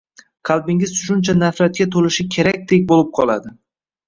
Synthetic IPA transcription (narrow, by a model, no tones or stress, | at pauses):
qʰɑlˠbɪŋɪzʃʊnt͡ʃʰanafɾat̪̚kʲat̪ʰolɪʃɪkʲʰe̞ɾak̚ʲd̪ek̚ʲbolɪp̚qʰɒlˠad̪ɪ